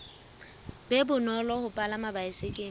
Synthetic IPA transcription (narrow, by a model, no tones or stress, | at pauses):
bebʊnɔlɔhʊpʼalamabaɪsekʼɪ